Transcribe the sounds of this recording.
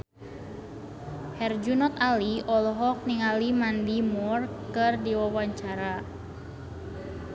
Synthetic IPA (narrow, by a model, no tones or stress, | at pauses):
hɛrd͡ʒunɔt̪aliɔlɔɦɔk̚niŋalimandimɔrkɨrdiwawaɲt͡ʃaɾa